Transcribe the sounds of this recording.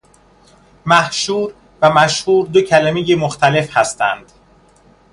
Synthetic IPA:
mæhʃuːɾ | væmæʃhuːɾd̪ocʰælæmejemoxt̪ʰæle̞fhæst̪æ̰nd̪̥

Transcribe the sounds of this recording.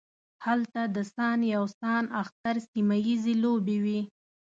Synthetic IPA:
halt̪ad̪əsɑnjawsɑnaxt̪aɾsimajizelobewi

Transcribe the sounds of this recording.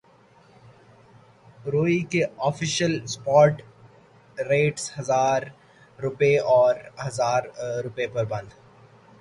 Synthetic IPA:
ɾoːikeɔːfɪʃəlspɔːɾʈ | ɾeːʈshɐzaːɾː | ʊpeʔɔːɾhɐzaːɾɾʊpepɐɾbɐ̃nd̪

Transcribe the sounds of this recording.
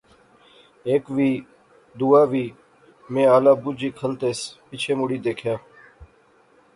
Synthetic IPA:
eːkʋiː | d̪uːaːʋiː | mẽːaːlaːbʊd͡ʒiːkʰəlt̪eːspit͡ʃʰeːmʊɽiːd̪eːkʰjaː

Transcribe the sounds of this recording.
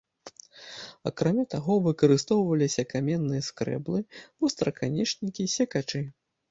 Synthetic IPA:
a̰kɾamʲat̪aɣɔvɨkɐɾɨst̪ɔwvɐlʲisʲɐkamʲɛnːɨjɐskɾɛ̰blˠɨust̪ɾɐkʰanʲɛt͡ʂnʲikʲisʲɛkat͡ʂɨ

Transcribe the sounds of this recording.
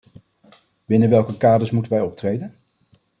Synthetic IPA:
b̥ɪnəʋɛlˠkəkaːdəɹsmutənʋɛjɔp̚trejdən

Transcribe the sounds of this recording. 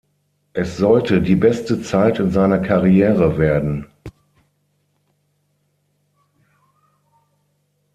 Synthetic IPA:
ʔɛsz̥ɔltədiːbɛstət͡saɪtɪnzaɪnɐkʰaʁiɛːʁəveːɐdn̩

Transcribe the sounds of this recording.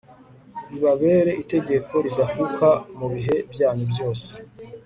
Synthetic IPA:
iβaβe̞ːɾe̞ʔite̞ɟe̞kʰo̞ɾidahukamuβiɦe̞bjaːɲubjo̞ːse̥

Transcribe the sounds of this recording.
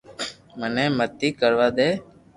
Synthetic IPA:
məneːmət̪ːiːkəɾʋaːd̪eː

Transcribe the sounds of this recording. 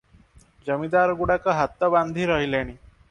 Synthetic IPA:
d͡ʒəmid̪aɾɔɡuɽakɔɦat̪ːɔband̪ʱiɾɔɦileɽ̃i

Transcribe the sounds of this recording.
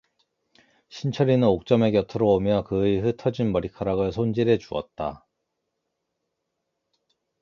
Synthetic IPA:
ɕʰint͡ɕʰʌɾinɯnok̚t͡ɕ͈ʌme̞kjʌtʰɯɾoomjʌkɯiɸɯtʰʌd͡ʑinmʌɾikʰaɾaɡɯɭsʰond͡ʑiɾe̞t͡ɕuʌ̰t̚t͈a

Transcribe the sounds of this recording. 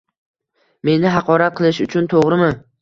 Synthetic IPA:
me̞nɪɦɑqʰɒɾat̪̚qʰɨlˠɪʃʊt͡ʃʰʊnt̪ʰoʁɾɪmɪ

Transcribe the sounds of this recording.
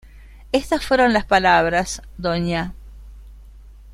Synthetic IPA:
est̪asfweɾonlaspalaβɾasd̪oɲa

